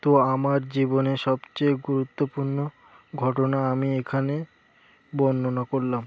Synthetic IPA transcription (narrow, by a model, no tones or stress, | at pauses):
t̪oamaɾd͡ʑiboneʃɔbt͡ɕejɡuɾut̪ːopuɾno | ɡʱɔʈonaamiekʰane | bɔnːonakoɾlam